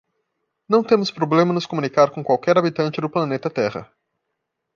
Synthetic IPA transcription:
nɐ̃w̃t̪ẽmʊspɾoblẽmɐnʊskomũnikaɾkõkwawkɛɾabit̪ɐ̃nt͡ʃɪd̪ʊplɐnet̪ɐt̪ɛhɐ̰

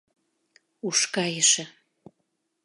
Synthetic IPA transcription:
uʃkɑjəʃĕ

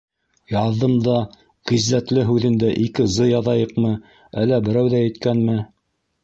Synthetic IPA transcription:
jɑðːɤmd̪ɑ | ʁizːæt̪lɘɦʉðɘ̆nd̪æʔikɘzɤjɑðɑjɤqmɤ | ælːæbɘ̆ɾæwðæjɘ̆t̪kænmɘ

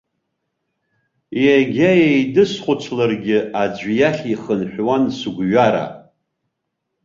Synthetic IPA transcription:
jaɡʲajejdɨsχʷʊt͡ʃʷʰlarɡʲɪad͡ʒʷjaχʲiχənħʷᶣwansuɡʷɥaɾa̰

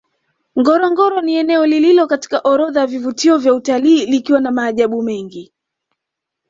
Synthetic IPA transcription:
ŋɡɔɾɔŋɡɔɾɔniɛnɛɔlililɔkati̥kaʔɔɾɔðajavivutiɔvjautaliːlikiwanamaːʄaɓumɛŋɡi

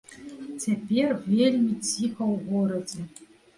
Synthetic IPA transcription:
t͡sʲapʲervʲelʲmʲit͡sʲixɐwɣɔɾɐd͡zʲɛ

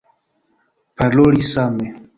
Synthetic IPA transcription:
palɔɾisamɛ

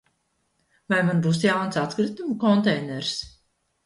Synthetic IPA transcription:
vajmanbuːsjawnsat̪kɾɨt̪umkɔnt̪ɛjnɛɾs

